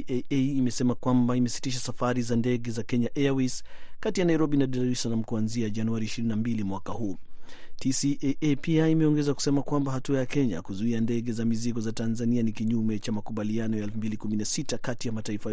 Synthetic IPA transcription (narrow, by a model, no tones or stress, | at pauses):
eeimɛsɛmakwambaimɛsi̥tiʃasafaɾizandɛɡɛzakɛɲaʔɛawiskatijanaiɾɔbinadɛlɾisanam̩kuanziaʄanuaɾiːʃiɾinambilimwakahuːtʰisiʔeʔpiaimɛɔŋɡɛzaku̥sɛmakwambahatuajakɛɲa̰kuzuiandɛɡɛzamiziɡɔzatanzanianikiɲumɛt͡ʃamakuɓalianɔjaɛlfumbilikuminasitakatijamataifa